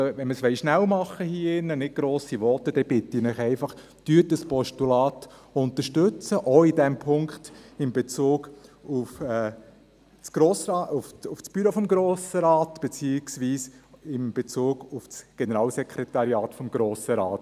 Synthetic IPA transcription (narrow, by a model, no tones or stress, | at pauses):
ʋɛnməsʋɛɪʃnæwmɑχːəhiːɪnːənɪt̚ɡ̥ɾoːsiʋɔt̪əd̥ɛb̥ɪt̪inɪχɛɪfɑχ | tyətdəspɔʃtulɑːtʊnt̪əɾʃtʏt͡səʔoidɛmpʰʊŋkχt̪ɪmb̥et͡suːɡ̥ufɛ | t͡sɡ̥ɾoːsɑːʊfufsb̥yɾofɔmɡɾoːsəɾɑːtb̥et͡siːɪksʋiːsɪmb̥et͡suːɡ̥ufsɡ̥enəɾɑːlsɛkʰɾɛt̪ɑɾjɑːt̪fɔmɡɾoːsəɾɑːt